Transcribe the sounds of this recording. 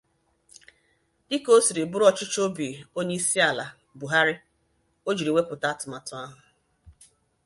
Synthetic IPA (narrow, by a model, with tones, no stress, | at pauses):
dɪ˦ko˦si˨ɾi˨bʊ˦ɾɔ˦t͡ʃɪ˦t͡ʃo˦bi˨o˦ɲe˦i˦si˦a˨la˨ | bu˨ɦa˦ɾɪ˦ | o˦d͡ʒi˨ɾi˨we˦pʊ˨ta˦tʊ˨ma˨tʊ˨a˦ɦʊ˨